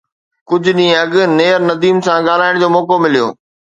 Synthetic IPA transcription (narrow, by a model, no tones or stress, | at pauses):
kʊd͡ʑʱʊɗĩːɐɠʊ̆neːəɾnɐd̪iːmsãɠaːl̤aːɪɽ̃d͡ʑoːmɔːkomɪlijo̰ː